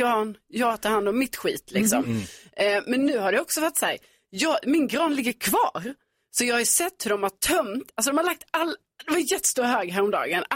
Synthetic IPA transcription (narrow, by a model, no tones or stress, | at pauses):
ɑːnjɑːɡt̪ʰɑɾhand̪ɔmːɪt̪ɧiːt̪ʰlɪksɔ̰m | mɛnːʉ̟ːhaɖɛjɔksɔfat̪ːsæ̰ːɾ | jɑːɡmɪnɡɾɑːnlɪɡːəɾkʰvɑ̰ːɾ | sɔjɑɡhajʉsɛt̪ːhɵɖɔmhaʈʰœmt̪als̬ɔd̪ɔmhaɭak̚t̪alː | d̪ɛvaɾjɛt̪ːə̥st̪uːɾɦøːɡɦæːɾɔmd̪ɑ̰ːɡən